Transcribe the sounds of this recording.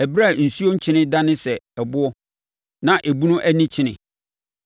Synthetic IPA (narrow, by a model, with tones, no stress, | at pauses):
æ˨bɾa˦˨n̩˨su˦o˦ɲ̩˦t͡ɕʰɪ˦nɪ̃˦dã˦nɪ̃˦sɛ˨ɛ˨bʊ˦ɔ˦ | nã˨ʔe˨bu˦nʊ̃˦ʔæ˦nĩ˦t͡ɕʰɪ˦nɪ̰̃˨